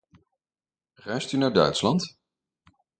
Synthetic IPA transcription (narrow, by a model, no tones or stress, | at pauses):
rɛɥstynaːɹdœ̰ɥtslɑnt